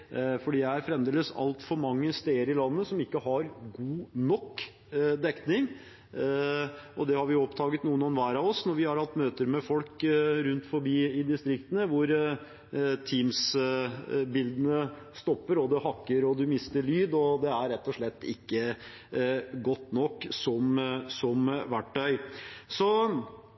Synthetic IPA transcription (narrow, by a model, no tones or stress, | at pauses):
fɔɖiːææɾfɾɛmd̪eːləsɑ̰lt̪fɔɾmɑŋːəst̪eɪəɾɪlɑnːəsɔmɪkːəɦɑɾɡuːnɔkː | d̪ɛknɪŋ | ɔd̪ɛhɑɾʋɪjʊɔpt̪ʰɑːɡət̪nuːənɛnʋæːɾɑʋɔsnɔɾʋɪhɑɾhɑt̪ːmøːt̪əɾmɛfɔlkɾʉnt̪fɔɾbiːɪd̪ɪst̪ɾɪkt̪ənəʋʊɾ | t̪ʰiːms | bɪld̪ənə | st̪ɔpːəɾɔd̪ɛhɑkːəɾɔd̪ʉmɪst̪əɭyːd̪ɔd̪ɛæɾɾɛt̪ːɔʂɭɛt̪ːɪkːə | ɡɔt̪ːnɔkːsɔmsɔmʋæʈːœʏsɔ